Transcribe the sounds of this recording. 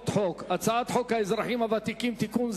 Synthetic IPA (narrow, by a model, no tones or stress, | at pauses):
t̪ħokat͡saat̪ħokhaezɾaħimavat̪ikimt̪ikunz